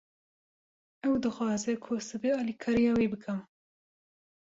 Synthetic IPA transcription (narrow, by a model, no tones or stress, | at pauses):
ɛwd̪ɨxwɑːzɛkʰosɨbeɑːlikʰɑːɾijɑːwiːbɨkʰɨm